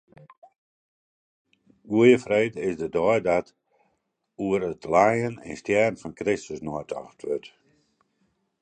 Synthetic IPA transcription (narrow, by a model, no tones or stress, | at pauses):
ɡuəjəfreːdɪsdədɔjdɔt | uəɾətʰlajənɛ̰nstjɛrn̩fɔnkrɪstəsnɔətʰɔ̰xtʰʋøt